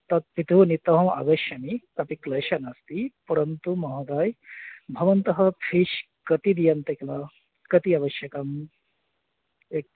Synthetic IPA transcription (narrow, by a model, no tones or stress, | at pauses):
t̪ɐt̪̚pit̪uʋnit̪ɐɦɐmɐ̰ɡɐʃjɐmikɐpiklɐːʃɐnast̪ipɐɾɐnt̪umɐɦɐɡ̪aːjbʱɐʋɐnt̪ɐɦɐpʰiʃ | kɐt̪id̪ijɐnt̪ɐklɐ | kɐt̪iɐʋɐʃjɐkɐm | ek̚